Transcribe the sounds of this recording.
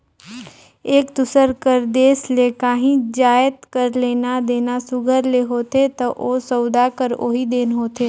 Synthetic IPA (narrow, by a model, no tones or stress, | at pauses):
eːkd̪ʊsəɾkəɾd̪eːsleːkãːɦĩd͡ʒaːjət̪kəɾleːnad̪eːnasʊɡʱəɾleɦoːt̪et̪ɐʔoːsɔːd̪akəɾo̰ːɦid̪eːnɦoːt̪ʰeː